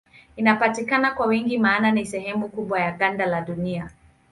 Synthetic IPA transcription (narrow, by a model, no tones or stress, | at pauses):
inapatikanakwawiŋɡimaːnanisɛhɛmukuɓwajaɠandalaɗunia